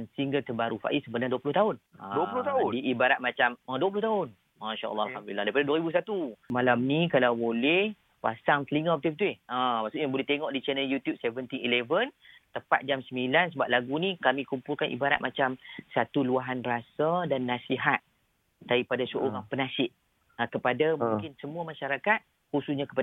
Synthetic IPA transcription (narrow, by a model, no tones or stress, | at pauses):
ansiŋɡəlt̪əbaɾufa̰ʔisəbənaduapulʊht̪aʊnã̰ulʊt̪adiʔibaɾat̪̚mat͡ʃamə̃duapulʊht̪aʊn | maʃa̰ʔə̰lːɑalamd̪ulilːahdaipadaduaɾibus̬at̪umalamnikalawbolɛh | pa̰saŋt̪əliŋəpət̪up̚it̪uɪhãmaʔsʊʔɲjabolɛht̪eŋɔʔdit͡ʃɛnəljut̪jup̚sevənt̪iilevənt̪əpa̰t̪̚d͡ʒamsəmbilansəbap̚laɡunikamĩkumpʊlkanʔḭbaɾa̰t̪̚mat͡ʃamsat̪uluaɦanbəɾasadanːasiɦat̪̚ː | aɾipadasəʔoɾaŋpənasɪʔ | akəpadamũŋkɪnsəmuamaʃaɾakat̪̚ | hususɲakə̥pa